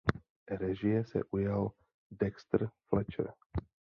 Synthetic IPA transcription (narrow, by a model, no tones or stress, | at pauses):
ɾɛʒijɛsɛ̰ʔujal | d̪ɛkst̪rflɛt͡ʃɛ̰ɾ